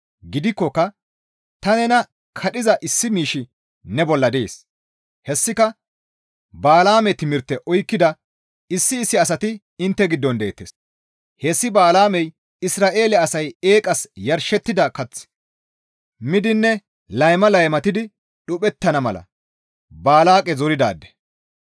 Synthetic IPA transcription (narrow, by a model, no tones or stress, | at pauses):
ɡɪd̪ɪkːɔkːɐ | t̪ɐnɛnɐ | kʰɐɗɪzɐʔɪsːɪmiːʃɪ | nɛbɔlːɐd̪ɛḛːs | hɛsːɪkɐ | baːlaːmɛt̪ɪmɪɾt̪ːɛʔɔjkːɪd̪ɐ | ɪsːɪːsːɪɐs̬ɐt̪ɪ | ɪnt̪ːɛɡɪd̪ːɔnd̪ḛːt̪ːeːs | hesːɪbaːlaːmɛj | ɪsɾaːʔe̞ːlɛɐsɐje̞ːkʼɐsjɐɾʃɛt̪ːɪd̪ɐkɐt͡sː | mɪd̪ɪnːɛ | lɐjmɐlɐjmɐt̪ɪd̪ɪ | ɗʊpʼɛt̪ːɐnɐmɐlɐ̰ | baːlaːkʼɛzɔɾɪd̪a̰ːd̪ːɛ̥